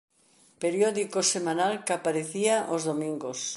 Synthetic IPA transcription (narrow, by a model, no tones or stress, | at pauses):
peɾjɔðikosemanalkapaɾeθiaʔozðomĩŋɡos